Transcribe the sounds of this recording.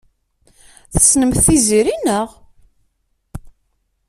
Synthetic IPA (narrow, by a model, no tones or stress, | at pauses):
θə̥snəmθθiziɾinəʁ